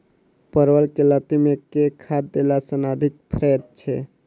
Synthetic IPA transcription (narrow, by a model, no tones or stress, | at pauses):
pəɾwəlkelət̪imekekʰad̪̚ːelasənad̪ʱik̚pʰɾɛd̪̚t͡ʃʰɛ